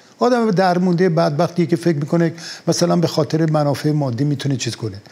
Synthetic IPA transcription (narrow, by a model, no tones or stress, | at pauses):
ɒːd̪æmd̪æɾmund̪ejebæd̪̚bæxt̪ijekʲefekmiːko̞nemæsælænbe̞xɒːt̪ʰeɾemænɒːfeemɒːd̪ːiːmiːt̪ʰunet͡ʃʰiːzkʰo̞ne